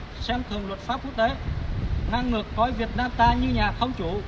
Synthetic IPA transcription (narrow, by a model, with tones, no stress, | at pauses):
sɛ˧mt̪ʰɨ˨˩əŋlwə˨˩t̚faː˦˥p̚ku˦˥k̚t̪e˨˦ | ŋa˧ŋːɨ˨˩əkːɔ˨˦jvi˨˩ət̚naː˧mt̪aː˧ɲɨ˧ɲaː˨˩xə˧wŋ͡mt͡ɕu˧˩